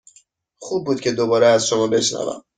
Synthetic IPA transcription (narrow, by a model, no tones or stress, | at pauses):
xub̚ːuːd̪̚kcʰe̞d̪obɒːɾeæzʃomɒːbe̞ʃnæ̰væ̰m